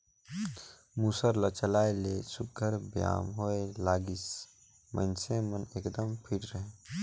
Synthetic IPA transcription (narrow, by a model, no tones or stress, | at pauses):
muːsəɾlət͡ʃəlaːelesʊk̚ɡʱəɾbja̰ːmɦoelaːɡis | mə̰̃nsẽməneːkd̪əmpʰiʈɾəɦẽ